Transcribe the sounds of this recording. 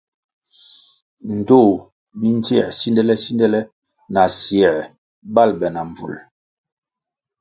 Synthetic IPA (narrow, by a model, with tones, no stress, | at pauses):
n̩˨do˦˨ | mi˦n˦ti˦ɛ̰˨si˦ndɛ˦lɛ˦si˦ndɛ˦lɛ˦ | na˨sjɛ˨ | ba˦˨lbɛ˨na˨ɱ˨vṵ˨l